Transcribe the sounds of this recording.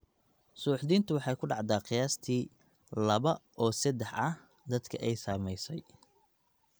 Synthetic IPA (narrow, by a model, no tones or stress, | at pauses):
suːħd̪iːnt̪ʰʊwɑħɑjkʰʊɖɑʕd̪aːqɪjaːst̪ʰiː | lɐβɐʔɔːsɐd̪ɛħɐ | d̪ɐd̪kʰɐʔɛjsaːmɛjsɛj